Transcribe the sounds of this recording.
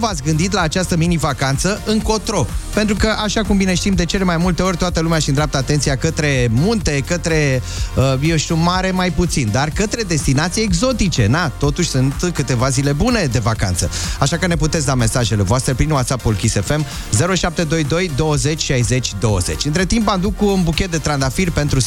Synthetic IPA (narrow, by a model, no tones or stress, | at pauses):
vat̪sʲɡɨnd̪it̪̬laːt͡ʃast̪əminivakant̪səɨŋko̞t̪ɾo̞pent̪ɾukəʔaʃakumbine̞ʃt̪imd̪e̞t͡ʃe̞le̞majmult̪e̞o̞rʲt̪oat̪əlumeaʃind̪ɾap̚t̪at̪e̞nt̪siakət̪ɾe̞munt̪e̞kət̪ɾe̞ | əjewʃt̪iumaɾe̞majput̪sind̪arkət̪ɾe̞d̪e̞st̪inat̪sijeɡzo̞t̪it͡ʃe̞nat̪o̞t̪uʃʲsunt̪kɨt̪e̞vazile̞bune̞d̪e̞vaka̰nt̪səaʃakəne̞p̬ut̪et̪s̬ʲd̪ame̞saʒe̞levoast̪ɾepɾimuwat̪sapulkʲise̞fe̞m | ze̞ɾoʃap̚t̪e̞d̪o̞jd̪o̞jd̪o̞wəze̞t͡ʃʲʃajze̞t͡ʃʲd̪o̞wə̰ze̞̰t͡ʃʲɨnt̪ɾe̞t̪impamd̪ukːuunbukʲet̪̚d̪et̪ɾand̪afirpe̞nt̪ɾu